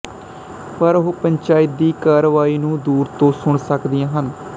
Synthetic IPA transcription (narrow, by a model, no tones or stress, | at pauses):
pəɾɦoːpəɲt͡ʃaːɪt̪̚d̪iːkaːɾəʋaːiːnũːd̪uːɾt̪õːsʊɳsəkd̪ɪjãːɦən